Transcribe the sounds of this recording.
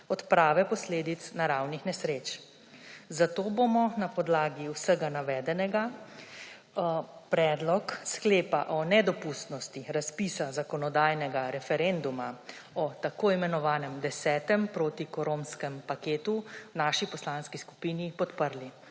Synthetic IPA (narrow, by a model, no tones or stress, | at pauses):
ɔt̪pɾaːʋɛpɔsleːd̪it̪snaɾawnixnɛsɾeːt͡ʃ | zat̪oːbomɔnapɔd̪laːɡiwsəɡanaʋɛːd̪ɛnɛɡa | pɾɛːd̪lɔkskleːpa̰ʔɔnɛd̪ɔpust̪nɔst̪iɾaspisazakɔnɔd̪aːjnɛɡaɾɛfɛɾend̪uma | ɔt̪akoːimɛnɔʋaːnɛmd̪ɛsɛːt̪ɛmpɾoːt̪ikɔɾomskɛmpakeːt̪uwnaʃipɔslanskisku̥piːnipɔt̪pəɾli